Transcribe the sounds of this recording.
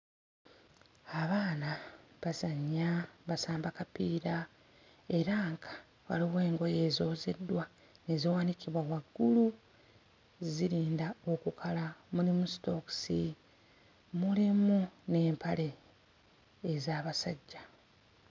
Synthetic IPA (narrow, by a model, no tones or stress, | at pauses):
aβaːnaβazaɲːaβasaːmbakapiːɾa | e̞ɾaŋkḁ | wa̰liwe̞ːŋɡo̞je̞ːzoːze̞dːwa | neziwaːniciβwawaɡːulu | ziɾiːndao̞kukʰalamunimusto̞ksi | mulimune̞ːmpʰale̞ | zaːβasaɟːa